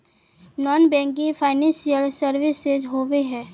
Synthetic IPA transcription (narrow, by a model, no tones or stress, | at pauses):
nɔːnbɛ̃ːŋk̬ĩfʰaːɪnɛ̃ːnsijəlsəɾʋɪsed͡ʒɦoːweɦɛː